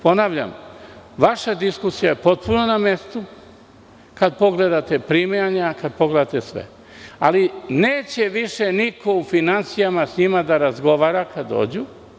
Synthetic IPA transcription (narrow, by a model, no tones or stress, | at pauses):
po̞naːʋʎa̰mʋaʃad̪iskusijajepo̞t̪̚punoname̞st̪u | kad̪po̞ɡle̞d̪at̪e̞pɾimejaɲakad̪̚po̞ɡle̞d̪at̪esʋḛ | a̰lineːt͡ɕe̞ʋiʃeniko̞ufinansijamasɲimad̪aɾazɡo̞ʋaːɾakʰad̪o̰ːd͡ʑu